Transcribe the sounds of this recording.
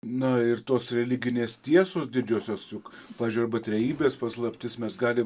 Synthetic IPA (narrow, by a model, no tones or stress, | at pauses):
nɐɪɾt̪oːsɾʲɛlʲɪɡʲɪnʲeːst̪ʲiɛsoːsd̪ʲɪd͡ʒʲuːsʲoːsʲʊk | pɑːʋʲeʒd͡ʒʲuɐɾbɐt̪ʲɾʲɛjiːbʲeːspɐslˠɐpʲt̪ʲɪsmʲɛsɡɑːlʲɪm